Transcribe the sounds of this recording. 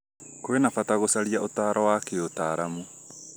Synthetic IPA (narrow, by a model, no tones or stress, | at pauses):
koenafataɣosaɾiaʔotaːɾɔwakeotaːɾamu